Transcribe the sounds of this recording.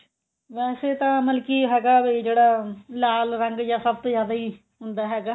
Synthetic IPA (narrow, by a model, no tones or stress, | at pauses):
ʋɛːseːt̪ãːməlkiːɦɛːɡaːbiːd͡ʒeːɽaːlaːlɾəŋɡjãːsəb̚t̪õːzjaːd̪aːiː | ɦʊnd̪aːɦɛːɡaː